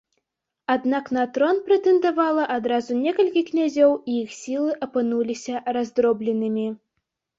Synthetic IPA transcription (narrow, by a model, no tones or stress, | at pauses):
ad̪naknɐt̪ɾɔnpɾɛt̪ɛnd̪avalˠɐʔad̪ɾazunʲɛkɐlʲkʲiknʲazʲɔwijixsʲilˠɨʔɐpɨnulʲisʲɐrazʲd̪ɾɔblʲɛnɨmʲi